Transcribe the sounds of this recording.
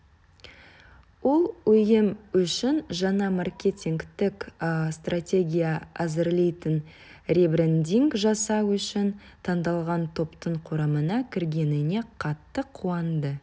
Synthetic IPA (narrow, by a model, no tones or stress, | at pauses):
wo̞lˠɵjɪmʏʃɪnʒɑɴɑmarkʲe̞t̪ʲiŋkt̪ɪkst̪ratʲe̞ɡʲijaæzɪɾlejt̪ɪn | rʲebɾend̪ʲiŋɡʒɑsɑwʏʃɪnt̪ʰɑnd̪ɑlˠʁɑnt̪ʰo̞pt̪əɴqʰoɾɑmənɑkʲʰɪɾɡʲe̞nɪne̞qʰɑt̪ːəqʰːuɑnd̪ə